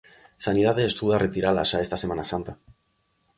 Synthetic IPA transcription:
sanið̞aðeːst̪uðarʔet̪iɾala̰sae̞st̪asemanasant̪a

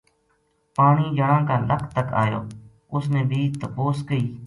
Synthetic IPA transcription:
paːɳiːd͡ʒəɽãːkaːlʔəkʰt̪əka̰ːjo̰ː | ʊsnẽːbʱiːt̪əpoːskəiː

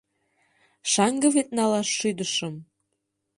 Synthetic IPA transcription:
ʃɑŋɡɤ̆βet̪̚nɑlɑʃːyd̪ə̆ʃɤ̆m

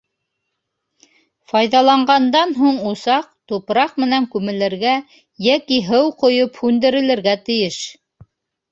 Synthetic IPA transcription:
fɑjðɑlˠɑɴɢɑnd̪ɑnɦuɴusɑq̚t̪upɾɑqmɘ̆næŋkʉmɘ̆lɘ̆ɾɡæ | jækiɦɤwqŏjophʉnd̪ɘ̆ɾɘ̆lɘ̆ɾɡæt̪ɘ̆jɘʃ

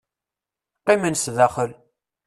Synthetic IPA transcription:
qimənsðæχəl

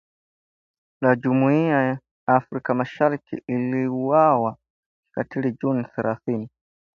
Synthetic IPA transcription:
lad͡ʒumuiaa | afɾikamaʃaɾikḭʔiliuwawa | katilid͡ʒuniθɛɾaθini

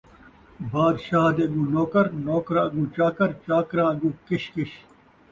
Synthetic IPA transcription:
baːd̪ʃaːd̪eːɡũːnoːkɐɾnoːkɾãːɐɡũːt͡ɕaːkɐɾt͡ʃaːkɾãːɐɡũːkɪɕkɪɕ

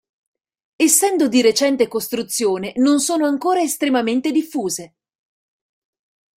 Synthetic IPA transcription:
esːɛnd̪od̪iɾet͡ʃɛnt̪ekost̪ɾut̪sːjoːnenonsoːnoaŋkoːɾaest̪ɾemament̪ed̪ifːuːze

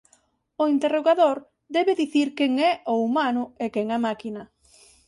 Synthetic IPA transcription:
ʊint̪eroɣaðoɾ | d̪ɛβeðiθiɾkeŋɛoumanʊekɛŋamakinɐ

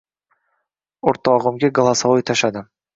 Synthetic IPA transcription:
ʊɾt̪ʰɒʁɨmɡʲaɡlˠasaojt̪ʰaʃad̪ɪ

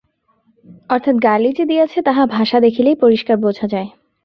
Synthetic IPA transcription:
ɔɾt̪ʰat̪ɡalid͡ʑed̪ijat͡ɕʰet̪aɦabʱaʃad̪ekʰilejpoɾiʃkaɾbod͡ʑʱʰad͡ʑae

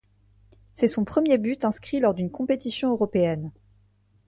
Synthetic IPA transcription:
sɛsɔ̃pχəmjebyt̪ɛ̃skχilɔʁd̪ynkɔ̃pet̪isjɔ̃øʁɔpeɛn

